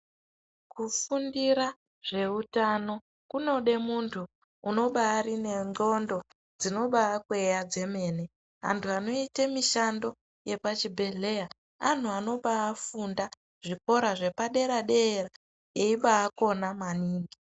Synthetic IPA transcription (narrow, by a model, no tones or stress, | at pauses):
kufundiɾa | ʐe̞utano̞ | kuno̞ɗe̞muntʰuː | no̞ɓaːrine̞ŋɡo̞ndo̞ | d͡zino̞ɓaːkuejad͡ze̞me̞ːne̞ | ʋa̰ntʰuano̞itemiʃando̞ | je̞pat͡ʃibʱe̞ɮe̞ja | an̤uano̞ɓaːfunda | ʐ̥iko̞ɾaʐe̞paɗe̞ɾaɗe̞ːra | eiɓaːko̞namaniːŋɡi